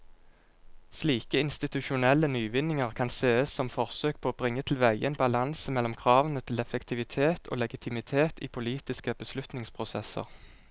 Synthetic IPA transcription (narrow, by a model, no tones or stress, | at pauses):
sliːkəɪnst̪ɪt̪ʉʃʊnɛlːənyːʋɪnɪŋəʁkʰɑnseːəssɔmfɔʁsøːk̚pʰoːoːbʁɪŋːət̪ʰɪl̩ʋæɪʔənbɑlɑnsəmɛlːɔmkʰʁɑːʋənət̪ʰɪlɛfɛkt̪ʰɪʋɪt̪ʰeːt̪ʰo̰ːlɛɡɪt̪ʰɪmɪt̪ʰeːt̪iːpʰʊliːt̪ɪskəb̥əslʉt̪nɪŋspʰʁʊsɛsə̰ʁ